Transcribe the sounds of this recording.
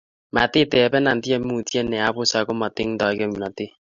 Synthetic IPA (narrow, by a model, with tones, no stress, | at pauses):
ma˨tɪ˦˨tɛ˨˦bɛ˦na˨ntjɛ˦mu˨tjɛ˦nɛ˨a˨˦βʊ˦sa˨ko˦mɔ˨tɪ˦ŋndɔ˨˦kɔ˦mi˨nɔ˨tɪ˦